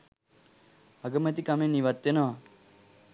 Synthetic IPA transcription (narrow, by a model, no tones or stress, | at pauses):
ɐɡəmet̪ikameniʋat̪ːʋenəʋa